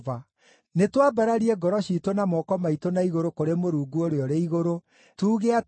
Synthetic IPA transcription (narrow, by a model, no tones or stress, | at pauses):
va | netwabaɾaɾiɛɡɔɾɔɕiːtonamɔkɔmaitonaiɣoɾokoɾemoɾuːɡuoɾeɔɾeiɣoɾo | tuːɣea